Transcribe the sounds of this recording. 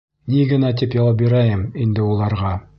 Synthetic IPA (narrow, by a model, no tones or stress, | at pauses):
niɡɘ̆næt̪̬ipjɒwɑp̬̚biɾæjɘmind̪ɘulˠɑɾʁɑ